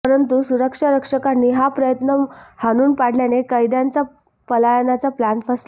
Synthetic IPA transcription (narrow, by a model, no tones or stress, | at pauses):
əɾənt̪usuɾəkʂaɾəkʂəkanːiːɦapɾəjət̪nəhanuːnpaɽ̤ljanekəjd̪jant͡sa | pəlajənat͡saplanfəs